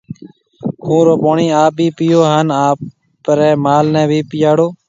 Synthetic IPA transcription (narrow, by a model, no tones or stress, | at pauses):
kʰũːɾoːpoːɳiːaːp̚bʱiːpɪjoːɦaːnaːp | ɾɛːmaːlnɛ̃ːbʱiːpɪjaːɽoː